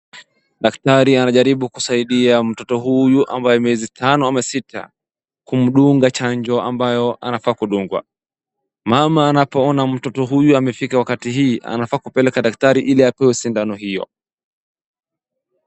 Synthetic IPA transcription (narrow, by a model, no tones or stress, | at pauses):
ɗaktaɾianaʄaɾiɓukusaiɗiam̩tɔtɔɦujuʔa̰mbajɛmɛzitʰanɔamasitʰa̰ | kum̩ɗuŋɡat͡ʃaɲd͡ʒɔambajɔʔa̰nafaːkuɗuŋɡwa̰ | mamaːnapɔɔnam̩tɔtɔɦujuamɛfikawakatiɦiːʔa̰nafaːkupɛlɛkaɗak̚taɾiʔiliapɛwɛusindanɔɦijɔ̰